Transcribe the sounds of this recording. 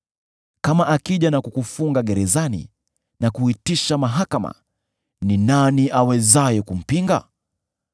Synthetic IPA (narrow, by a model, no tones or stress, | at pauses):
kamaʔakiʄanakukufuŋɡaɠɛɾɛzanḭ | nakuitiʃamaɦakama̰ | ninaniʔawɛzajɛkum̩piŋɡa̰